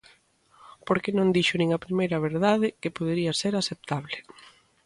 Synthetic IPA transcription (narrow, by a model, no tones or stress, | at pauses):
poɾkenõnd̪iʃʊnĩŋɐpɾimejɾɐβ̞eɾðaðɪkepoð̞eɾiɐseɾasep̚t̪aβlɪ